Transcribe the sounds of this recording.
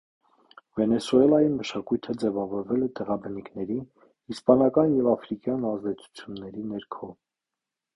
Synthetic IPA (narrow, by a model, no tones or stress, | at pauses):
vɛnɛsuɛlɑjiməʃɑkujt̪ʰəd͡zɛvɑvɔɾvɛlɛt̪ɛʁɑbənikʰnɛɾi | ispɑnɑkɑnjɛvɑfɾikjɑnɑzd̪ɛt͡sʰu̥t͡sʰjunːɛɾinɛɾkʰɔ